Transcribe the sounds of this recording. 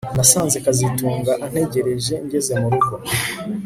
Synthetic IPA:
nasaːnzekazituːŋɡaʔan̥he̞ɟe̞ɾe̞ʒe̞ɲɟe̞ze̞muɾuɡo̞

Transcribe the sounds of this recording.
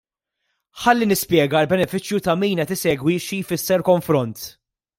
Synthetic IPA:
ħɐlːinɪspjɛːɡɐlbɛnɛfɪt͡ʃjut̪ɐmiːnɛt̪ɪsɛːɡwiʃijfɪsːɛɾkɔɱfɾɔnt̪

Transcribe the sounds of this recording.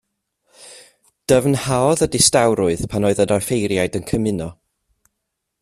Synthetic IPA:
d̥əvnhaɔðədɪstawɾʊɨð̥pʰanoːɨðədɔrfejɾjajdənkʰəmɪnɔ

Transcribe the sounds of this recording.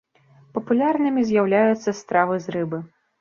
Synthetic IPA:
pɐpulʲarnɨmʲizʲjawlʲajut̪sːɐst̪ɾavɨzɾɨbɨ

